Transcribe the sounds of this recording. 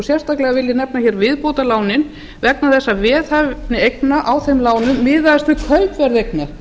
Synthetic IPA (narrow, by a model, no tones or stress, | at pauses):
sjɛr̥st̪aklɛɣavɪljɪnɛp̚naçɛɾvɪðpoːwt̪alaːwnɪn | vɛknaθɛsːavɛːðavpnɪejknaʔawθɛjmlaːwnʏmːɪːðast̪ʏkʰvœlpvɛɾðejk̚nḁ